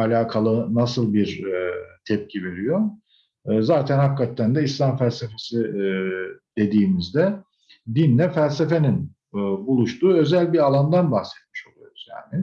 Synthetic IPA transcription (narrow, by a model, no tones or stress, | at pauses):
alʲaːkʰalˠɯnasɯlˠbiɾt̪ʰɛp̚cʰive̞ɾijo̞ː | zaːt̪ʰænhakːat̪ːænd̪ɛislʲamfælʲsefe̞si | d̪̥e̞d̪iːmizd̪ɛ | d̪inlɛfælʲse̞fe̞ninː | bulˠuʃt̪ʰuːø̞zælʲbiɾalˠand̪anbaxsɛt̪̚miʃo̞lˠujoɾuzja̰ːnɪ